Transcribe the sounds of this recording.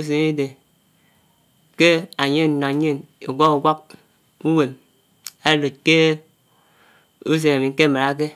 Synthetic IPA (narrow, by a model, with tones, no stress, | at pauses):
u˦s̬e˨ni˦de˨ | ke˦a˨ɲe˦n˨no˨˦ɲe˦ne˨ɡʷa˦ku˨ɡʷa˦k̚ | u˦we˨m | a˦lo˨t̚ke˦ | u˦s̬e˨na˨mi˨ŋ̩˦ke˦˨ma˨ɾa˨˦k̬e˦